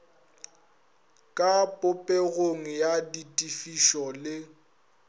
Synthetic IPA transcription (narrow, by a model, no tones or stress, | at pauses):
kʼapʼʊpʼeɣoŋ̩jaditʼifiʃɔlɪ